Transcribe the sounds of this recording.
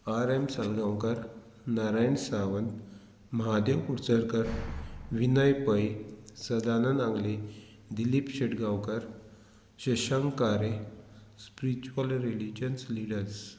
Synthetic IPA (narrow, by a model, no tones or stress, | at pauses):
aɾemsalɡãwkəɾ | naɾajɳsaʋənt̪ | mɦad̪jəwkuɽt͡səɾkəɾʋinajpəjsəd̪anənãŋɡle | d̪ilipɕeʈɡawkəɾ | ɕəɕəŋɡkaɾe | spiɾit͡ɕuʋəlɾilid͡ʑənsliɽəɾs